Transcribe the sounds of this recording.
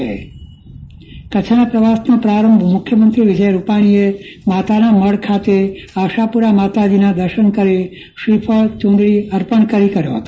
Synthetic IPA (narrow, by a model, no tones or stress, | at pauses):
e | kət͡ʃʰnapɾəʋasnopɾaɾəmbʱmʊkʰjəmənt̪ɾiʋɪd͡ʒəjɾupaɽ̃iemat̪anaməɽkʰat̪eaʃapuɾamat̪ad͡ʒinãd̪əɾʃənkəɾe | ʃipʰəɭt͡ʃõnd̪ɭiəɾpəɳkəɾikəɾjo̰ɦət̪o